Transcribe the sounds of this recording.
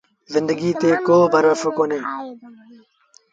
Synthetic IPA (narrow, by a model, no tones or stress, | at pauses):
zɪnd̪əɡiːt̪eːkoːbʱəɾəfkoːneː